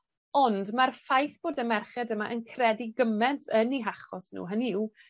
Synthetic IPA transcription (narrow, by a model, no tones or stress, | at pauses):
ɔndmarfajθb̥oːdəmɛrχɛdəmaʔənkʰrɛdiɡəmɛntʰəniɦaχɔsnṵːɦəniw